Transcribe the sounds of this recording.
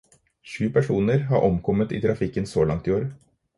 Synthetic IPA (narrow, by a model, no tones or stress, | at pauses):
ʃʉːpʰæʂuːnəɾɦɑɾʔɔmkʰɔmət̪ḭːt̪ʰɾɑfɪkːənsoːlɑŋt̪ɪoːɾə